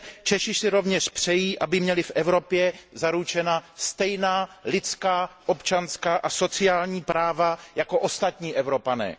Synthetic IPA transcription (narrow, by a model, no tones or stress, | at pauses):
t͡ʃɛʃɪsɪɾo̞vɲɛʃpr̥ɛjiːʔabɪmɲɛlɪfʔɛvɾo̞pjɛzaɾut͡ʃɛnast̪ɛjnaːlɪt͡skaːʔo̞pt͡ʃanskaːʔaso̞t͡sɪaːlɲiːpɾaːvajako̞ʔo̞st̪at̪ɲiːʔɛvɾo̞panɛ̰ː